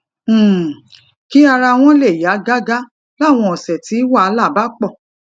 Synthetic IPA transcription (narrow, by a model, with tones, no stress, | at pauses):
ki˦a˧ɾa˧w̃ɔ̃˦le˦˨ja˨˦ɡa˦ɡa˦ | la˦˨w̃ɔ̃˧˨ɔ˨sɛ˨ti˨˦wa˦˨˧la˦˨ba˨˦k͡pɔ˦˨